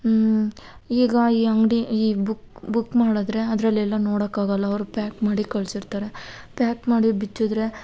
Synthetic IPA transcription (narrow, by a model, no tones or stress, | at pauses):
iːɡɐiːɐŋɡɽiiːbukbukːmaːɽɐd̪ɾe̞ɐd̪ɐɾɐlːiɛlːɐnoːɽɐkːaːɡɐlːɐːʋɾupaːkmaːɽikɐɭsiɾt̪aːɾe̞ | pjaːʈmaːɽibit͡ʃːud̪ɾe̞